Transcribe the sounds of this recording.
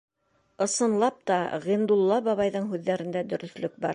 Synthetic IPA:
ɤ̆sɤ̆nlˠɑp̚t̪ɑʁind̪ulˠːɑbɑβɑjðɤɴɦʉðːæɾɘ̆nd̪æd̪ɵ̆ɾɵ̆θlɵk̚bɑɾ

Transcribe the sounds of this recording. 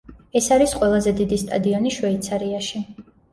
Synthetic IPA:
ɛsaɾisqʼwɛlˠazɛd̪id̪ist̪ʼa̰d̪iɔniʃwɛit̪sʰaɾiaʃi

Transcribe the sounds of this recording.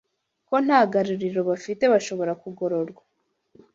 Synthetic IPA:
ko̞n̥haːɡaɾuɾiɾo̞βafite̞βaʃo̞βo̞ɾakuɡo̞ɾo̞ɾɡwa

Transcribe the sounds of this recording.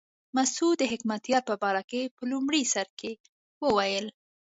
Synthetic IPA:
masud̪əɦɪkmat̪jɑɾpəbɑɾakepəlumɽisaɾke | wəwajəl

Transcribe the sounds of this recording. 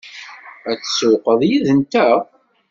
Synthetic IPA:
æt͡sːsuqəðˤjiðənt̪æ

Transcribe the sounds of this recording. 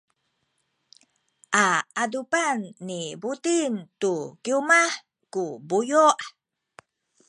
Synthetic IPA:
ʔaadupanːibutintukiumaħ | kubujuʔ

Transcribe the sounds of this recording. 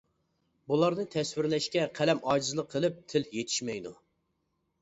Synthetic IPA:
bulˠɑɾnɨt̪ʰɛswɪɾlɛʃkʲɛqʰælɛmɑːd͡ʒizɨlˠəqʰːəlˠɨp̚t̪ʰɪljet̪ʰɪ̥ʃmɛjd̪u

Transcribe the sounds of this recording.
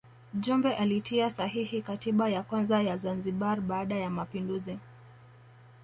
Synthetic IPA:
ʄumbɛʔalitʰiasaɦihikatiɓajakwanzajazanziɓaɾɓaːɗajamapinduzi

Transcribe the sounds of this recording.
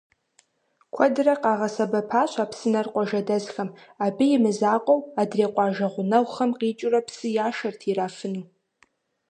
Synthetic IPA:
kʷʰɔdrɐqɑːʁɐsɐbɐpʰaːɕʷʰʼaːpʰsɨnɐrqʷʼɔʒɐdɐzxɐmabɨjɪmɨzaːqʷʼɔwadreːqʷʼɑːʒɐʁʷʊnɐwχɐmqiːt͡ʃʼʊrɐpʰsɨjaːʃɐrtʰiraːfɨnu

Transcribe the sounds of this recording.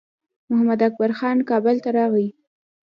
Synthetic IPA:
mʊhamad̪ak̚baɾxɑnkɑbʊlt̪aɾɑɣi

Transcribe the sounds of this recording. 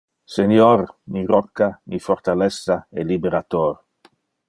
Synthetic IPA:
senjɔrniɾɔkːanifɔrt̪alɛsːaɛlibeɾat̪oːɾ

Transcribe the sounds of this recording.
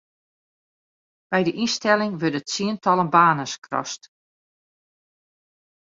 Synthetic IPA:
b̥ɛjdəʔinstɛlɪŋʋødətsiəntɑlˠənbaːnəskrɔ̰st

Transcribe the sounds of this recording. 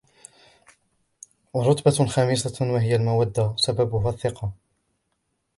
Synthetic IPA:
wɑɾˤʊt̪baxɑːmɪsawaɦɪjalmawad̪ːasababʊɦaθːɪqɑ

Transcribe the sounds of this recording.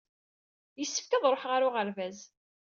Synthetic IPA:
jəsːə̥fkæðˤɾˤoħʁaɾʊʁəɾvæz

